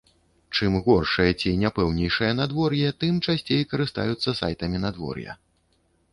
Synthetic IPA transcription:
t͡ʂɨmɣɔrʂɨjɐt͡sʲinʲapɛwnʲɛjʂɨjɐnad̪vɔrjɛt̪ɨmt͡ʂasʲt͡sʲejkɐɾɨst̪a̰jut̪sːɐsa̰jt̪ɐmʲinad̪vɔ̰rjɐ̰

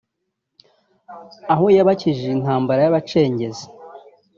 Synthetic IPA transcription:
aɦojaβaciʒiin̥haːmbaɾajaβat͡ʃe̞ːɲɟe̞ze

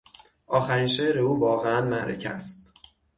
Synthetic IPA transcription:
ʔɒːxæɾiːnʃeɾeuːvɒːɣeænmæʔɾḛcʰæ̰st̪

